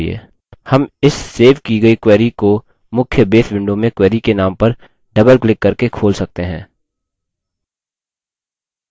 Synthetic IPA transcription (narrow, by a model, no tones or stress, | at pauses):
iḛː | hɐmɪsːeːʋkiɡɐikwɛːɾiko | mʊkʰjəbeːt̪bɪ̃ɳɖõmẽkwɛːɾikenaːmpɐɾ | ɖɐbəlklɪkːɐɾkekʰoːlsɐk̚t̪eɦɛ̰̃ː